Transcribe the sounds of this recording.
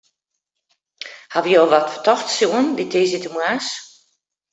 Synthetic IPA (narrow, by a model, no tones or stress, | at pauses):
haʋijoːʋɔtfə̥tɔxtsjuənditʰeːzitəmwaːs